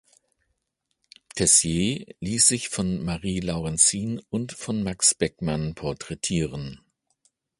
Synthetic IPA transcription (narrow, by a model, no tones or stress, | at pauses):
tʰɛsjeːliːsz̥ɪçfɔnmaʁiːlaʊʁɛnt͡siːnʊntfɔnmaksb̥ɛkmanpʰɔɐtʁ̥ɛtʰiːʁən